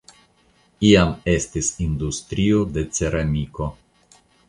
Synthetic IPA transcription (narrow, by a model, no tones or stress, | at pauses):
iame̞stisind̪ust̪ɾiod̪e̞t͡seɾamiko̞